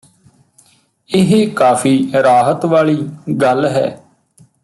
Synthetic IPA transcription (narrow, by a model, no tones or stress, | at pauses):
ɪɦeːkaːpʰiːɾaːɦət̪ʋaːɭiːɡəlɦɛ̰ː